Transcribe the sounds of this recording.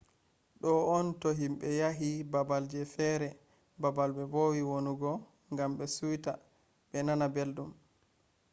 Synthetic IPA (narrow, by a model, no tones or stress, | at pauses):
ɗɔɔntoɦimɓɛjaɦibabald͡ʒɛfɛɾɛ | babalbɛbowiwonuɡɔ | ŋɡamɓɛsujta | ɓɛnanabeldum